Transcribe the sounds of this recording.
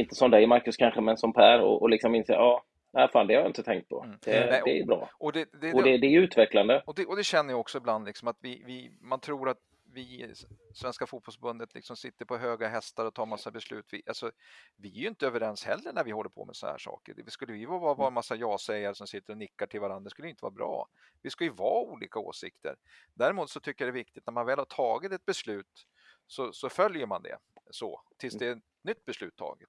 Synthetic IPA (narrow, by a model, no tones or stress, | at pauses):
ɪnt̪əsɔmd̪ɛjmaɾkɵskʰanɧəmɛnsɔmpʰæːɾɔ̰ʔɔlɪksɔmɪnsḛːɑː | næɪfa̰ːnd̪ɛhaɾjaɪnt̪ət̪ʰɛŋk̚t̪̚pʰɔ̰̥ɛɛɛæ̰jbɾɑ̰ːɔd̪ɛd̪ɛɔd̪ɛd̪ɛɛɾjʉ̟ːt̪vɛkland̪əɔd̪ɛʔɔd̪ɛɕɛnːəjaɔksɔɪbland̪lɪksɔmat̪vɪvɪmant̪ʰɾuːɾat̪ | vɪsvɛnskafuːt̪bɔlsfbɵnd̪ət̪lɪ̰ksɔmsɪt̪ːəɾpʰɔɦøːɡaɦɛst̪aɾɔt̪ʰɑːɾmasːabɛslʉ̰ːt̪vɪʔalsɔvɪæɾjʏnt̪əøːvəɾɛnshɛlːəɳæɾvɪhɔlːəɾpʰɔ̰mɛ̰sɔnahæ̰ːʂɑ̰ːkə̰ɖɛvɪskɵlːəvɪjɵvɑːvɑːɾvɑːɾmasːajɑːsɛjːaɾəʂɔmsɪt̪ːəɾɔnɪkːaʈʰɪlvaɾand̪ɾaskɵlːjʏɪnt̪əvɑ̰ɾabɾɑ̰ː | vɪskɵləjɵvɑːuːlḭːkao̰ːsɪkt̪ə̰ɾ | d̪æɾɪmuːt̪sɔt̪ʰʏkːəjad̪ɛvɪk̚t̪ɪt̪næɾmanvɛːlhaʈʰɑːɡɪt̪ɛt̪̚bɛslʉ̟ːt̪ | sɔsɔfœljəɾmand̪ɛ̰sɔt̪ʰɪlsd̪ɛt̪ | nʏt̪ːbɛslʉ̟ːt̪ʰːɑ̰ːɡɪt̪